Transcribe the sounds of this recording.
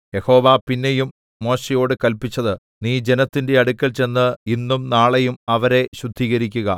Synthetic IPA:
je̞ho̞ːʋapinːe̞jumː | o̞ːɕejo̞ːɽɨkɐlpit͡ɕːɐðɨ | niːd͡ʑe̞nɐt̪ːinde̞ɐɽukʲːɐlt͡ɕe̞nːɨinːumnaːɭejumɐʋɐɾe̞ɕud̪ʱːiːɣɐɾikʲːuɣɐ

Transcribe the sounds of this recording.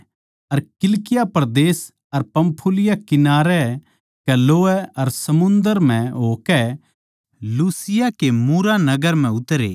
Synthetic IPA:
ɐɾkɪlkɪjapɾɐd̪eːs | ɐɾpɐ̃mpʰulɪjakɪnaːɾɛ | kɛloːɛɐɾsɐmʊ̃nd̪əɾm̤ɛ̃ɦoːkɛ | luːsɪjakemuːɾanɐɡəɾm̤ɛ̃ʊt̪ɾḛː

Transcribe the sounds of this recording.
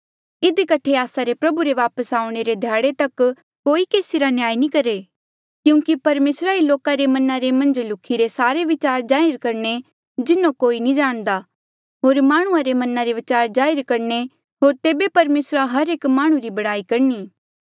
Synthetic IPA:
ɪd̪ikɐʈʰeaːsaɾepɾɐbuɾeʋaːpəsaːʊ̃ɽ̃eɾed̪ʱjaːɽet̪ɐkː | oːikeːsiɾanjaːinĩkɐɾe | kjũːkipɐɾmeːsɾailoːkaɾemɐnaɾemɐ̃nd͡ʒlʊkʰːiɾesaːɾeʋɪt͡ʃaːɾd͡ʒaːɪɾkɐɾne | d͡ʒɪnːõkoːinĩd͡ʒaːɽ̃d̪a | ɦoːɾmaːɽ̃ʊ̃ãɾemɐnaɾeʋɪt͡ʃaːɾd͡ʒaːɪɾkɐɾne | ɦoːɾt̪eːbepɐɾmeːsɾaɦɐɾeːkmaːɽ̃ũɾibɐɽaːikɐɾniː

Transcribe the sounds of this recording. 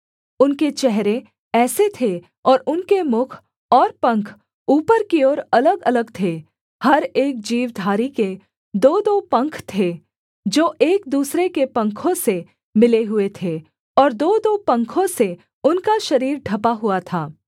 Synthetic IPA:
ʊnket͡ʃɛɦɾẽ | ɛːset̪ʰe | ɔːɾʊnkemʊkʰ | ɔːɾpɐ̃ŋkʰ | uːpəɾkiɔːɾɐləɡɐləɡt̪ʰe | hɐɾeːk̚d͡ʒiːwd̪ʱaːɾike | d̪oːd̪oːpɐ̃ŋkʰt̪ʰe | d͡ʒoːʔeːk̚d̪uːsɾekepɐ̃ŋkʰõse | mɪleɦʊet̪ʰe | ɔːɾd̪oːd̪oːpɐ̃ŋkʰõse | ʊnkaʃɐɾiːɾɖʱɐpaɦʊat̪ʰaː

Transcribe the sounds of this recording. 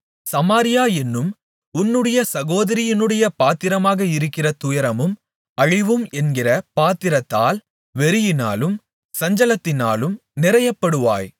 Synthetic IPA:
sɐmaːɾɪjaːɛnːɯm | ʊnːɯɽɐjɐsɐɣoːðɐɾɪjɪnɯɽɐjɐpaːt̪ɪɾɐmaːɣɐɪɾɯkːɪrɐt̪ʊjɐɾɐmɯm | ɐɻɪʋɯmɛnɡɪrɐpaːt̪ɪɾɐt̪ːaːl | ʋɛɾɯjɪna̰ːlɯm | sɐɲd͡ʒɐlɐt̪ːɪnaːlɯmnɪɾɐjɐpːɐɽɯʋa̰ːj

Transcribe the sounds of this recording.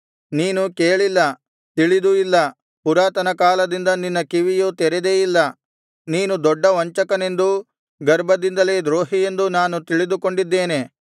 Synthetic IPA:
niːnukeːɭilːɐ | t̪iɭid̪uilːɐ | puɾaːt̪ɐnɐkaːlɐd̪ind̪ɐninːɐkiʋijut̪ɛɾed̪eːjilːɐ | niːnud̪ɔɖːɐʋɐɲt͡ʃɐkɐne̞nd̪u | ɡɐɾbʱɐd̪ind̪ɐleːd̪ɾoːɦije̞nd̪unaːnut̪iɭid̪uko̞ɳɖid̪ːe̞ːne̞

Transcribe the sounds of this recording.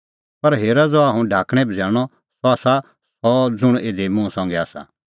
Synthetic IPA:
pɐɾɦeːɾad͡zoaːɦũɖʱaːkɽ̃ɛbʱd͡zaːɽ̃ɔ | sɔaːsa | sɔd͡zʊɽ̃eːd̪emũsɔ̃ːŋɡɛaːsa̰

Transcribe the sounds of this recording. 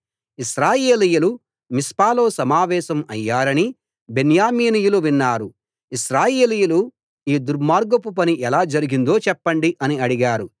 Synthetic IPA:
iʃɾaːjeːlijulu | mispaːlo̞ːsɐmaːʋɛːʃɐmɐjːaːɾɐni | be̞njaːmiːnijuluʋinːaːɾu | iʃɾaːjeːlijulu | iːd̪uɾmaːɾɡɐpup̬ɐniʔɛlaːd͡ʒɐɾiɡind̪o̞ːt͡ʃɛpːɐɳɖiʔɐniɐɽiɡaːɾu

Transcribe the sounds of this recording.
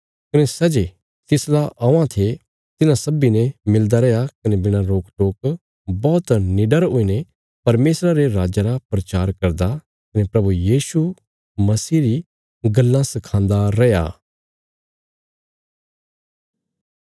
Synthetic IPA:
kɐnesɐd͡ʒe | t̪ɪslaʔɐãt̪ʰe | t̪ɪnãsɐbinɛmɪld̪aɾɛjakɐnebɪɽ̃ãɾoːkʈoːk | bɔːt̪nɪɖəɾɦoine | pɐɾmeːsɾaɾeɾaːd͡ʒaɾapɾɐt͡ʃaːɾkɐɾd̪a | kɐnepɾɐbujiːsu | mɐsiːɾi | ɡɐlːãsɪkʰãːnd̪aɾɛja̰ː

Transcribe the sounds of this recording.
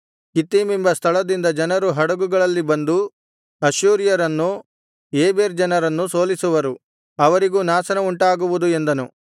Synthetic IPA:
kit̪ːiːmimbɐst̪ʰɐɭɐd̪ind̪ɐd͡ʒɐnɐɾuɦɐɽɐɡuɡɐɭɐlːibɐnd̪u | ɐʃuːɾjɐɾɐnːu | eːbeːɾd͡ʒɐnɐɾɐnːuso̞ːlisuʋɐɾu | ɐʋɐɾiɡuːnaːsɐnɐuɳʈaːɡuʋud̪ue̞nd̪ɐnu

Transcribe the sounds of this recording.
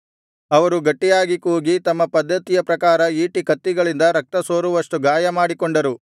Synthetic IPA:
ɐʋɐɾuɡɐʈːijaːɡikuːɡit̪ɐmːɐpɐd̪ʱːɐt̪ijɐpɾɐkaːɾɐiːʈikɐt̪ːiɡɐɭind̪ɐɾɐk̚t̪ɐsoːɾuʋɐʂʈuɡaːjɐmaːɽikoɳɖɐɾu

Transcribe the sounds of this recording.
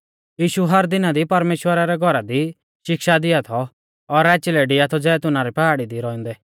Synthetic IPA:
jiːʃuɦɐɾd̪ɪnad̪ipɐɾmeːʃwəɾaɾɛɡʱɔɾad̪i | ʃɪkʃad̪ɪjat̪ʰɔː | ɾɛːt͡ʃɪlɛɖɪat̪ʰɔd͡zɛːt̪ʊnaɾɛpaɦaːɽid̪iɾɔɛ̃nd̪ɛː

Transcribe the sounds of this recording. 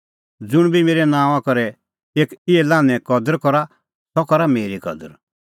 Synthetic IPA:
d͡zʊɽ̃bʱimeːɾɛnãːw̃ãkɔɾɛ | eːkɪɛlãːnɛ̃kɔd̪əɾkɔɾa | t̪ɔkɔɾameːɾikɔ̰d̪əɾ

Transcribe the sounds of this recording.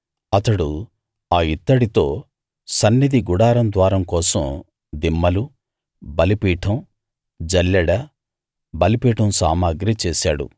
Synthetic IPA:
ɐt̪ɐɽu | aːit̪ːɐɽit̪o̞ː | sɐnːid̪iɡuɽaːɾɐmd̪ʋaːɾɐmkɔːsɐm | d̪imːɐlu | bɐlipiːʈʰɐm | d͡ʒɐlːɐɽɐ | bɐlipiːʈɐmsaːmaːɡɾit͡ʃɛːsaːɽṵ

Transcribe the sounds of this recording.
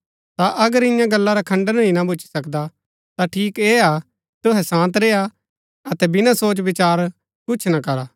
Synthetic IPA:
t̪aʔɐɡəɾɪ̃jãɡɐlːaɾakʰɐ̃ɳɖəninabʱʊt͡ʃʰi̥sɐkd̪a | t̪aʈʰiːkeːa | t̪ʊɦɛsãːnt̪ɾeːa | ɐt̪ɛbɪnasoːt͡ʃʋɪt͡ʃaːɾ | kʊːt͡ʃʰnakɐɾaː

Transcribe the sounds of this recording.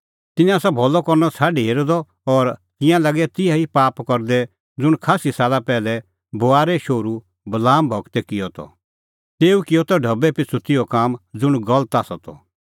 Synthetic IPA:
t̪ɪnjãsabʱɔlɔkɔɾnɔt͡sʰaːɖiɦeːɾd̪ɔ | ɔɾt̪ɪjãlɐɡɛt̪ɪjaipaːpkɔɾd̪ɛ | d͡zʊɽkʰaːsisaːlapɛːlɛ | boaːɾɛʃoːɾu | bɐlaːmbʱɔɡt̪ɛkɪjɔt̪ʰɔ̰ | t̪eːukɪjɔt̪ɔɖʱɐbɛpɪt͡sʰut̪ɪjɔkaːmd͡zʊɽ̃ɡɐlət̪aːsɔt̪ɔ̰

